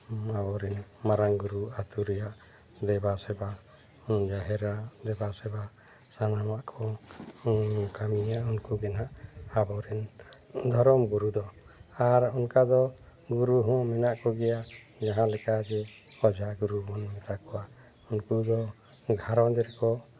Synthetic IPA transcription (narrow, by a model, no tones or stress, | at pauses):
abɔɾɛnmaɾaŋɡuɾuat̪uɾɛjaʔ | d̪ɛbasɛba | d͡ʒaɦɛɾad̪ɛbasɛba | sanamaʔkʰɔ | kamiaʔunkuɡɛnaʔabɔɾɛn | d̪ʱɔɾɔmɡuɾud̪ɔaɾɔnkad̪ɔ | ɡuɾuɦɔ̃mɛnaʔkɔɡɛja | d͡ʒaɦãlɛkad͡ʒɛ | ɔd͡ʒʱaɡuɾumɔnmɛt̪akɔwa | unkud̪ɔ | ɡʱaɾɔ̃d̪ɛɾkɔ